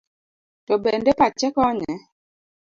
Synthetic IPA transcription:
tɔbɛndɛpat͡ʃɛkɔɲɛ

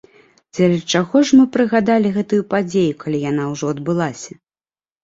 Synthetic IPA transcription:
d͡zʲaɾʲɐt͡ʂaɣɔʂmɨpɾɨɣad̪alʲiɣɛt̪ujupad͡zʲejukalʲijanawʐɔɐd̪bɨlˠasʲɐ

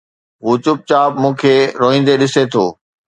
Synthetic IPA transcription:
ɦuːt͡ɕʊp̚t͡ɕaːbmũːkʰeːɾoːɦĩːn̆d̪eɗɪset̪ʰo̰ː

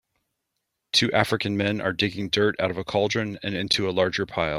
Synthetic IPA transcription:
tʰʉʔæfɹɨkɨ̃nmɛ̃nʔə̰˞dɪɡɪ̃ŋdɜ˞ɾa̰ʊɾʌvəkʰɑlˠdɹɨ̃nɨ̃nɪ̃ntʰʉəlɑɹd͡ʒə˞pʰaɪlˠ

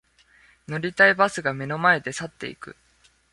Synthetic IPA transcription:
no̞ɾʲit̪aibasɨɡame̞no̞mae̞d̪e̞sat̪ːe̞̰ḭkɯ̟̰

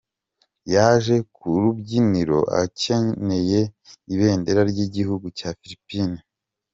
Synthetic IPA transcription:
jaːʒe̞kʰuɾubɟiniɾo̞ʔa̰ce̞ne̞je̞iβe̞ːnde̞ɾaɾɟiɟihuɡucaːfilipiːni

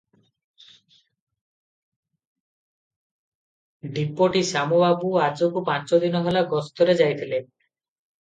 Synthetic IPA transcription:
ɖipːoʈisamobabuad͡ʒokupant͡ʃod̪inɔɦelaɡɔst̪ɔɾed͡ʒajt̪ʰile

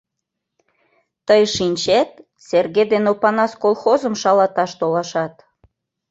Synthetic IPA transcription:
t̪əjʃinʲt͡ɕet̪̚ | serɣed̪enopɑnɑskolˠxozəmʃɑlɑt̪ɑʃt̪olɑʃɑt̪̚

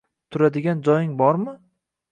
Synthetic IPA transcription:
t̪ʰʊɾad̪ɪɡʲand͡ʒɒjɪŋbɒɾmɪ

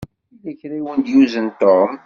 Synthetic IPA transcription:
inəçɾiwənd̪juzənt̪ːom

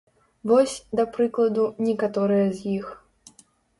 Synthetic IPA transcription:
vɔsʲd̪ɐpɾɨklˠɐd̪unʲɛkat̪ɔɾɨjɐzʲjix

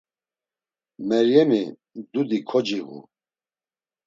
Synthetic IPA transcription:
mɛɾjɛmi | d̪ud̪ikʰɔd͡ʒiɣṵ

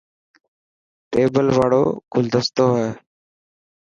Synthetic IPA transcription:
t̪eːbəlʋaːɽo̰ːɡʊld̪ʱəst̪oːɦeː

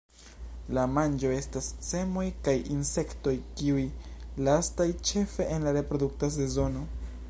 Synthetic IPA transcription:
lamand͡ʒo̞e̞stasːe̞mo̞jkajinse̞kto̞jkiujlastajt͡ʃe̞fe̞ʔenlaɾe̞pɾo̞duk̚tas̬e̞zo̞no̞

